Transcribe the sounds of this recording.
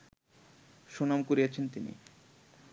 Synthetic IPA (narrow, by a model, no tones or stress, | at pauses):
ʃonamkoɾiat͡ɕʰent̪inḭ